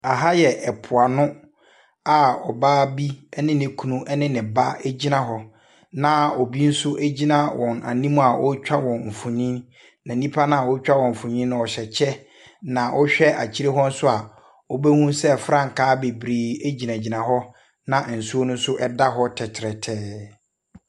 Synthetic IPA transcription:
a˨ɦa˦jɛ˨ʔɛ˨pʰʊ˨a˨nʊ̃˦ | a˨ɔ˨baː˦bi˦ɛ˦nɪ̃˦nɪ̃˨kʰu˨nũ˦ʔɛ˦nɪ̃˦nɪ̃˨ba˦ɛ˦d͡ʑi˦nã˦ɦɔ˦ | nã˨ɔ˨bi˦n̩˦sʊ˦ʔæ˦d͡ʑi˦nã˦wɔ̃˨na̰˨nĩ˦mũ˦a˨ʔɔ˦t͡ɕᶣa˦wɔ̃˨nm̩˨fũ˨ɲĩ˦n | nã˨nĩ˦pʰa˦nã˦˨wɔ˦t͡ɕᶣa˦wɔ̃˨m̩˨fũ˨ɲĩ˦nʊ̃˦ɔ˨ɕɛ˨t͡ɕʰɛ˦ | nã˨ʔɔ˦ɕᶣɛ˦ʔa˨t͡ɕʰi˦ɾe˦ɦɔ˦n̩˦sʊ˦a˨ | ɔ˦bɛ˦hũ˦sɛ˦fɾã˦˨ŋ̩˨kʰaː˦be˨bɾeː˨æ˦d͡ʑi˨nã˨d͡ʑi˨nã˨ɦɔ˦ | nã˨n̩˨su˦o˦nʊ̃˦sʊ˦ʔɛ˦da˦ɦɔ˦tʰɛ˨tʰɪ˨ɾɛ˨tʰɛː˦

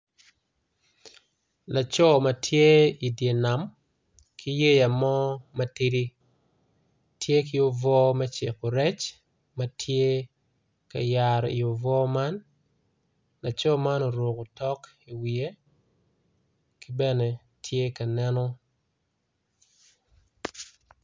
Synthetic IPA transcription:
la˨t͡ʃɔ˦ma˨tʰje˦i˨dje˨na˨m | kʰi˦je˦ja˨mɔ˦mɐ˦ti˦ɾi˦ | tje˦ki˦o˦vɔ˦mɛ˦t͡ʃe˨ko˨ɾɛ˦t͡ʃ | ma˦tʰje˦ | ka̰˨ja˨ɾḭ˨o˨vɔ˦ma˦n | la˨t͡ʃɔ˦ma˦nɔ˨ɾwo˨ko˨tɔ˦k | i˨wie˦ | ki˦bɛ˦ne˨ | tʰje˦ka˨nɛ˦nɔ˦

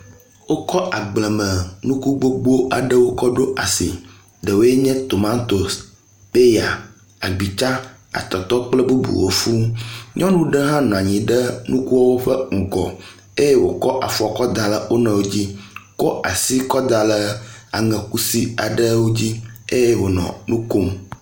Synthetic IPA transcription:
wo˦kɔ˦ʔa˨ɡ͡blɛ˨mə̃˨nũ˦ku˦ɡ͡bo˦ɡ͡bu˦o˦ʔa˨ɖə˦wo˦kɔ˦ɖo˦ʔa˨sḭ˨ | ɖə˨wo˦je˦ɲɛ̃˦t̪o˨mã˦t̪o˨s | pe˦ja˨ | a˨ɡ͡bi˨t͡ʃa˦ | a̰˨t̪ɔ˨t̪ɔ˦k͡plə˦bu˦bṵ˨wo˦fu˦ɲɔ̃˦nũ˦ɖə˦ɦã˦nɔ̃˨a˨ɲĩ˨ɖə˦nũ˦ku˦wɔ˦wo˦ɸə˦ŋ̩˨ɡɔ̰˨ | e˦je˦wo˨kɔ˦ʔa˨fɔ˨kɔ˦d̪a˨lə˨wo˦nɛ̃˨wo˦d͡ʑi˦kɔ˦ʔa˨si˦kɔ˦d̪a˨lə˨a̰˨ŋɛ̃˨ku˦si˦a˨ɖə˦wo˦d͡ʑi˦e˦je˦wo˨nɔ̰̃˨nũ˦ko˦m

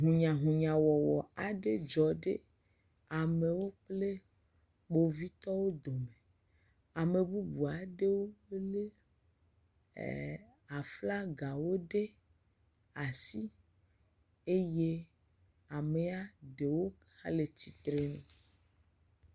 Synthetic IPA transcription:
ɦũ˨ɲã˨ɦũ˨ɲã˨wɔ˨wɔ˨a˨ɖe˦d͡ʒɔ˨ɖḛ˦ | a˨me˨wo˦k͡ple˦ | ɡ͡bo˨vi˦t̪ɔ˦wo˦d̪o˨me˨ | a˨me˨bu˦bu˨a˨ɖe˦wo˦le˦˨ | a˨fla˦ɡa˨wo˦ɖe˦ | a˨si˦ | e˦je˦ | a˨me˨a˦ɖe˨wo˦ | hã̰˦le˨t͡ɕi˨t̪ɾe˦nẽ˨

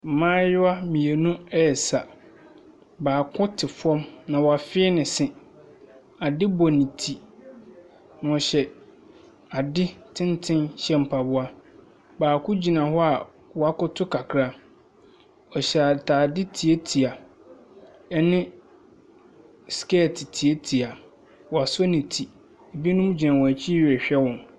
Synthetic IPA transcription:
m̩˨mãː˦jʊ˦a˦mĩ˨e˨nũ˦ɛ˦˨sa˨ | baː˨kʰʊ̃˦tʰɪ˨fʊ˦ɔ̃˦mnã˨wɔ˨a˨fɪ˦nɪ̃˨sɪ̃˦ | a˨dɪ˦bɔ˨nĩ˨tʰi˨ | n˨ɔ̃˨ɕɛ˨ | a˨dɪ˦tʰɪ̃˦ntʰɪ̃˦nɕɛ˦m̩˨pʰa˨bʊ˦a˦ | baː˨kʰʊ˦d͡ʑi˨nã˨hɔ˦a˨ | wɔ˨a˦kʊ˦tʰʊ˦kʰa˨kʰɾa˦ | ɔ˨ɕɛ˨a˨tʰaː˨dɪ˦tʰi˨e˦tʰi˨a˨ | ɛ˦nɪ̃˦ | skɛ˦˨tʰɪ˨tʰi˨e˦tʰi˨a˨ | wɔ˨a˨sɔ˦nĩ˨tʰi˨ | e˨bi˦nũ˦m˦d͡ʑi˨nã˨wɔ˨æ˨t͡ɕʰi˦ɥɛ˨ɕᶣɛ˦wɔ̃˨n

